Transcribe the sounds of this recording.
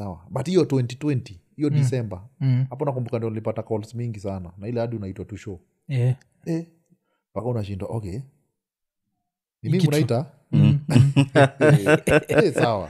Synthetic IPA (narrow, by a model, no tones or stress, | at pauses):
sawa̰ɓathijɔtwɛntitwɛntihijɔdisɛmbahapɔunakumbukandiɔnilipatakɔlsmiŋɡisananailɛaɗiunaitwatuʃɔ | ɛ | pakaunaʃindwa̰ʔɔkɛ | nimimiunaita | sawa̰